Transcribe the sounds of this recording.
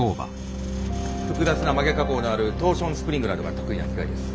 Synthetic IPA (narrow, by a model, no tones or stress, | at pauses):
oːba̰ | ɸɯ̟kɯ̟d̪at͡sɨnamaɡe̞kako̞ːnoaɾɯ̟t̪o̞ːɕõ̞ñsɨ̥pɯɾʲĩŋɡɯ̟ɾad̪oɡa̰t̪o̞kɯ̟inakʲi̥ka̰id̪esɨ̥